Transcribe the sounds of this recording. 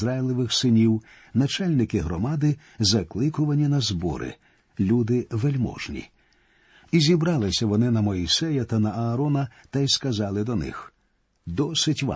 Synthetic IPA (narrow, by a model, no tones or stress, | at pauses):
ɾajlˠɪʋɪxsɪnʲiw | nɐt͡ʃalʲnɪkɪɦɾɔmɑd̪ɪ | zɐklˠɪkʊʋɐnʲinɐzbɔ̰ɾɪ̰ | lʲud̪ɪʋelʲmɔ̰ʒnʲḭ | izʲibɾɑlˠɪsʲɐʋɔnɪnɐmɔisɛjɐt̪ɐnɐɐːɾɔnɐt̪ɐjskɐzɑlˠɪd̪ɔnɪ̰x | d̪ɔsɪtʲʋa̰